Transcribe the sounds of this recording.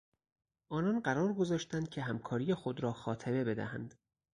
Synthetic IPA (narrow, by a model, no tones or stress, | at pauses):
ʔɒːnɒnɢæɾɒːɾɡo̞zɒːʃt̪ænd̪̚cʲʰe̞ɦæmkʰɒːɾijexo̞d̪ɾɒːxɒːt̪ʰeme̞be̞d̪æ̰hæ̰nd̪̥